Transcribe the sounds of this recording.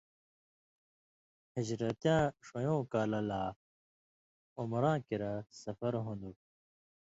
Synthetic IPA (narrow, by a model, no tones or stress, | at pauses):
hid͡ʑɾɐt̪jãːʂojõːkaːlɐlaː | omɾãːkiɾasɐfɐɾɦũnd̪u